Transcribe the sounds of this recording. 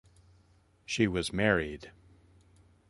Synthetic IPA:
ʃiwʌzmɛɹid̥

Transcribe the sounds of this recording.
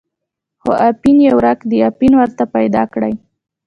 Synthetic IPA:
xoʔapinjawɾakd̪əjapinwəɾt̪apajd̪ɑ̰kɽa̰j

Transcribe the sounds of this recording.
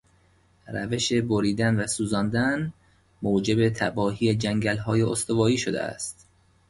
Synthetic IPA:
ræ̰ve̞ʃe̞bo̞ɾiːd̪ænvæsuːzɒːnd̪æn | moːd͡ʒe̞bet̪ʰæbɒːɦiːjed͡ʒæŋɟælɦɒːjeost̪ovɒːiːʃod̪ḛæ̰st̪

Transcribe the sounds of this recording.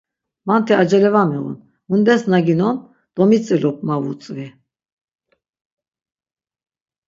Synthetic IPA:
mant̪ʰɛad͡ʒɛlɛvamɛʁṵn | mund̪ɛsnaɡinɔn | d̪̥ɔmit͡sʰʼɛlɔp̚ʰmavṵt͡sʼvi

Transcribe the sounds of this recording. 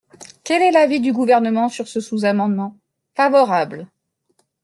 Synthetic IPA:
kɛlɛlavid̪yɡuvɛʁnəmɑ̃syʁsəsuzamɑ̃d̪mɑ̃ | favɔʁabl

